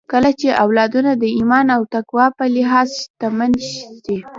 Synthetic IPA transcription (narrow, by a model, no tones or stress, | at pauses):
kəlat͡ʃeʔawlɑd̪unad̪əimɑnawt̪akwɑpəlɪɦɑzt̪amanʃd̪e